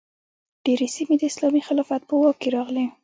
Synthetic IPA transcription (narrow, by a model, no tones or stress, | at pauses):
ɖ̥eɾesimed̪əɪslɑmixɪlɑfat̪̚pəwɑkeɾɑɣle